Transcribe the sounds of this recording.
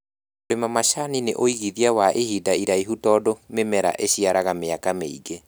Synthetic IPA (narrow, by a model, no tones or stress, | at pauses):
oɾemamaʃaninḛʔoiɣiðiawaʔehidaiɾaiɦutɔːdomemɛɾa̰ʔeɕiaɾaɣameakameiɡe